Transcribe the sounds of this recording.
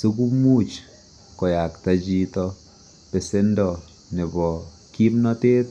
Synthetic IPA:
su˦k̬u˦mu˦t͡ʃ | kɔ˨ja˨kta˦d͡ʒi˦tɔ˦ | pe˨se˦ndɔ˨ | ne˨bɔ˨ | ki˦mnɔ˦te˦t

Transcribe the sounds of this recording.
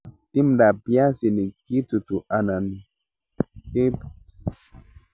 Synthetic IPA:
ti˦mda˨bjã˦si˨ni˨ki˦t̪u˨t̪u˨ʔa˨na˨ni˨ | ke˦p

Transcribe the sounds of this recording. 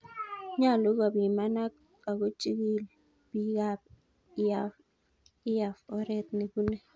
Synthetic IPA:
ɲa˦˨lɔ˦k̬a˨ɓi˨ma˦na˦k | a˨k̬o˦t͡ʃʼi˦k̬i˦˨lɛ | ɓi˨˦k̬a˦˨p | a | i˦ja˨fɔ˦ɾɛ˦t̪ne˨ku˦nɛ˦

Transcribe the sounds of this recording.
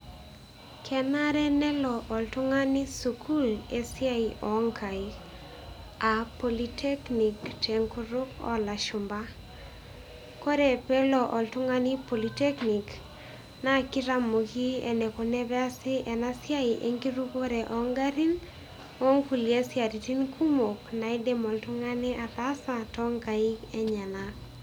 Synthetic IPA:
kʰɛ˨na˦ɾɛ˦nɛ˦lɔ˨ʔɔ˨ltʊ˦ŋa˦nɪ˦su˨kʰu˦le˨sja˦i˨ʔɔ˨ŋkʰa˨i˨ | a˨po˨li˦tʰe˦kni˨ktʰe˨ŋku˦ɾʊ˦kɔ̰˦la˨ʃʊ˨mba˦ | ko˦ɾe˨pɛ˦lɔ˨ʔɔ˨ltʊ˦ŋa˦nɪ˦po˨li˨te˦kni˨k | na˦kɪ˦ɾa˦mo˨ki˦ɛ̰˨nɛ˨ko˨nɛ˦bɛ˦a˦sɪ˦ʔɛ˨na˦sja˦ɪ˨ʔe˨ŋɡi˦ɾu˦ko˦ɾɛ˨ʔɔ˨ŋɡa˦ɾi˦n | wo˦ŋku˨lje˦sja˨ɾi˨ti˦nkʰu˦mo˨kna˨i˦de˦mɔ˨ltʊ˦ŋa˦nɪ˦ʔa˨t̪a˦sa˨tɔ˦ŋɡa˨i˦kɛ˦ɲa˨na

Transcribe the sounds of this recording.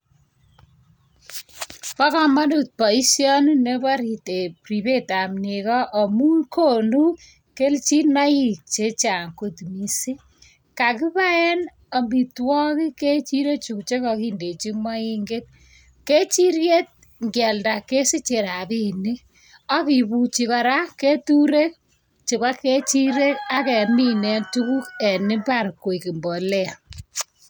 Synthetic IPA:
pa˦kɔ˦ma˦ndu˨t̚pɔ˨i˦sjɔ˦nu˦ne˦ba˦ɾi˨te˨pɾi˨be˦ta˨mne˨kɔ˦ʔɔ˨mu˦nkʰo˦˨nu˦ | ke˦lt͡ʃi˦na˦ji˦˨k̚t͡ʃe˦t͡ʃa˨ŋku˦tmi˨si˦ | ka˨ki˦βa˦ɛ˦n | ɔ˨mbi˨twɔ˦ki˦ke˦t͡ʃi˦ɾe˦kt͡ʃu˨kt͡ʃe˦kɔ˧ki˦nde˨t͡ʃi˦ma˦i˦ŋɡe˦t̚ | ke˦t͡ʃi˦ɾje˦t̚ | ŋɡjɛ˨lda˨ke˦si˦t͡ʃe˨ɾa˨bi˦ni˦ | ɔ˦ki˨pu˨t͡ʃi˧ka˨ɾa˦ke˦tu˦ɾe˦k̚ | t͡ʃi˨βa˦kːe˦t͡ʃi˦ɾe˦ka˦kɛ˨mi˦nɛ˦ntu˦ku˦kɛ˨ni˦pa˦rkwo˨i˨ki˨mbɔ˨lɛ˦a˨

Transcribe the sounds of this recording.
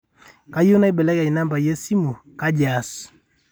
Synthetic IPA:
ka˦jo˦na˦i˦bɛ˨lɛ˦ka˨i˨na˦mba˨jɛ˦si˦mu˨ | ka˦d͡ʒa˨s

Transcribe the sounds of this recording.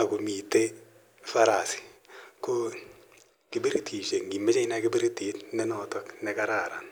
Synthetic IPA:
a˨ku˨mi˨te˦ | fa˦ɾa˨si̥˨ko˦ | ki˨be˦ɾtʰi˨ʃe˨ŋɡi˨me˦t͡ʃɛ˦ɪ˦na˦kɪ˦bi˦ɾti˨tnɛ˦nɔtɔknɛ˨ka˦ɾa˨ɾa̰˨n

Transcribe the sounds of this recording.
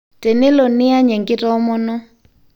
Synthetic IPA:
tɛ˨nɛ˦lɔ˨ni˦a˦ɲɛ˨ŋkɪ˦tɔ˦mɔ˦nɔ˦

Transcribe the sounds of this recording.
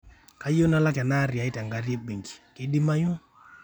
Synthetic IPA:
ka˦jo˦na˦la˦ka˨na˦ɾi˨a˨˦i˦ta˨ŋɡa˨˦ɾi˦e˦be˨ŋɡi̥˨kɪ˨˦di˦ma˦jo˦

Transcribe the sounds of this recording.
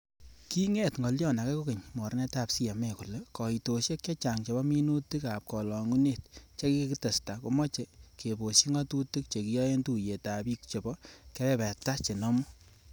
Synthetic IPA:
ki˦ŋɛ˦tŋɡɔ˨ljɔ˦˨na˨kɛ˦ko˦ke˨ɲmɔ˨ɾnɛ˦ta˦˨psi˦ja˨mɛ˨ku˨le˨kɔ˨i˨to˨ʃe˦kt͡ʃe˦t͡ʃa˨ŋt͡ʃe˨bɔ˦mi˦nu˦ti˦ka˨p̚kɔ˨lɔ˨ŋu˦ne˨t̚t͡ʃe˦ki˦kki˦te˨sta˨ko˦mɔ˦t͡ʃe˨ke˨bo˨ʃi˦ŋɔ˦tu˦ti˦k̚t͡ʃe˨ki˦jɔ˦je˦ntu˦je˨ta˨bi˦k̚t͡ʃo˨bɔ˦ke˦pɛ˦pɛ˨ta˦t͡ʃe˨nɔ˦mɔ˦

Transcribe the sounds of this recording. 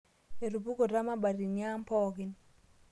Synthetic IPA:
e˨ɾu˨pu˦ko˨ɾa˦ma˦ba˨ɾi˨n˦a˦m˦pɔ˦ɡɪ˦n

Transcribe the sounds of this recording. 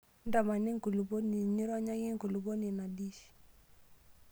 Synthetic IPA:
n˦da˨ma˨ni˦ŋ˦ku˨lu˨bo˦ni˨ɲi˦ɾɔ˦ɲa˦ji˦ŋ˦ku˨lu˨bo˦ni˨na˨di˦ʃ

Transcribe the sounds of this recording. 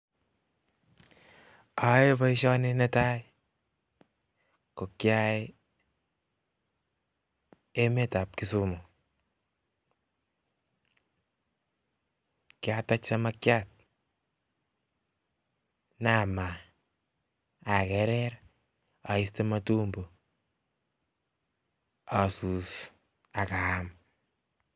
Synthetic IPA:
a˨e˦ba˦ɪ˦ʃɔ˦ne˦ne˦ta˦i | ko˨kja˦j | e˦me˦ta˨p̚kɪ˦sumo˨ | kja˦tat͡ʃsa˦ma˦kjat̚ | nama˨ | a˨kɛ˨ɾɛɾ | a˨i˦stema˦tu˦mbo˨ | a˨su˨s | a˨ka˨am

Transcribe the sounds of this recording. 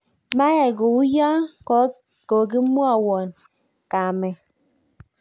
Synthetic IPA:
ma˦ja˨ɡo˨u˦ja˦kɔ˦ | ko˨ɡ̬i˦m˦ɔ˦a˦˨wɔ˨n | ka˨mɛ˨

